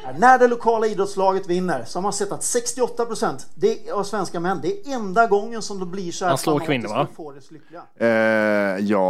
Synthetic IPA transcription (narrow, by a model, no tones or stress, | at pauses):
næɖɛlʊkʰɑːlaiːd̪ɾɔt̪slɑːɡət̪vɪnːəɾsɔmhasɛt̪ːat̪sɛkst̪ɪɔt̪ːapɾʊsɛnt̪d̪ɛavsvɛnskamɛnːd̪ɛːɛnd̪aɡɔŋːənsɔmd̪ɔbliʂɔhæloːɾkʰvɪnːafoːɖɛslʏklɪɡa | jɑː